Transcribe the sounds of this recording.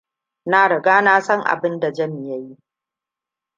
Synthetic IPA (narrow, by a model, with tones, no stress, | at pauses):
na˦ɽɐ˨ɡaː˦na˦sɐ˦ŋʔa̰˨bɪ˦nda˨d͡ʒɐ˦m˨ja˦ji˦